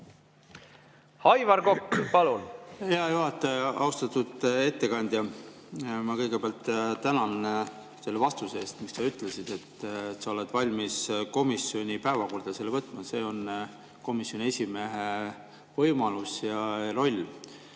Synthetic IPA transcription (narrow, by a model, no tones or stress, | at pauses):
hɑjvɑɾkokːpɑlunheɑjuɦɑt̪ːˑeɑwst̪ɑt̪ːˑud̪̥e̞t̪ːe̞kɑnʲd̪jɑ | mɑkɤjɡepeɑlt̪ːt̪ænɑn | se̞lːevɑst̪useeːst̪mikssɑyt̪ːˑle̞sid̪̥e̞t̪ːt̪sɑo̞le̞d̪̥vɑlʲmisko̞misːio̞nʲipæevɑko̞rd̪̥ɑselːevɤt̪ːˑmɑse̞ːo̞n | ko̞misjo̞nʲie̞sʲime̞ɦe | vɤjmɑlusjɑro̞lʲː